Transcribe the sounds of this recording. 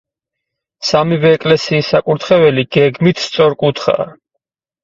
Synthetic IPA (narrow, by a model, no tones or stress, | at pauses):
samivɛːkʼlɛsiːsakʼuɾt̪ʰχɛvɛliɡ̥ɛɡmit̪ʰst̪sʼɔɾkʼut̪ʰχa̰